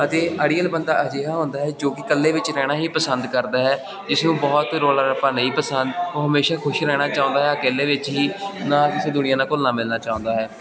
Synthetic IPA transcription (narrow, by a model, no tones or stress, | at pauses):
ət̪eːʔəɖiːəlbənd̪aːʔəd͡ʒeːɦaːɦʊ̃nd̪aːɦɛːd͡ʒoːkɪkəlːeːʋɪt͡ʃɾɛːɽ̃aːɦiːpəsənd̪kəɾd̪aːɦɛː | d͡ʒɪsnũːbɔːt̪ɾoːləɾpaːneiːpəsənd̪oːɦəmeːʃaːkʰʊʃɾɛːɽ̃aːt͡ʃaːõnd̪aːɦɛːəkeːlːeːʋɪt͡ʃɦiːnãːkɪsẽːd̪ʊnɪjãːnãːkʊlnãːmɪlnaːt͡ʃaːʊ̃ːnd̪aːɦɛː